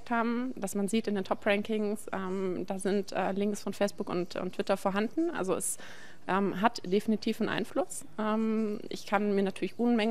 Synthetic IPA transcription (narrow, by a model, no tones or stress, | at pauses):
k̚thaːbm̩d̥asmanziːtɪndeːntʰɔpʁɛŋkɪŋsʔɛːmd̥aːzɪntʔɛːlɪŋksfɔnfɛɪsb̥ʊkʊ̰ntʊ̰ntʰːv̥ɪtɐfoːɐɦandn̩ʔa̰lzoɛs | ʔɛːmɦatd̥efinitʰiːfn̩ʔa̰ɪnflʊs | ʔɛːmʔɪ̰çkʰanmiːɐnatʰyːɐlɪçʔʊnmɛŋ